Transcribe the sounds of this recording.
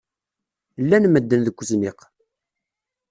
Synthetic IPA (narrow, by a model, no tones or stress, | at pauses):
lːænməd̪ːənðəkʷːəzmɪq